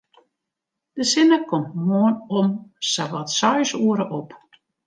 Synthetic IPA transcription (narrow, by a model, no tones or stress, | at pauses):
d̥əsɪnəkɔmtmoːənomsaʋɔtsɔjsuəɾəʔop